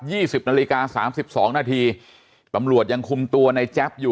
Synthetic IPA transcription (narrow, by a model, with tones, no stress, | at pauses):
p̚jiː˥˩si˨˩p̚naː˧liː˦˧kaː˧saː˩˦msi˨˩p̚sɔː˩˦ŋnaː˧t̪ʰiː˧ | t̪a˧mɾu˨˩ət̪̚ja˧ŋkʰu˧mt̪u˧ɐna˧jt͡ɕɛ˦˥p̚juː˨˩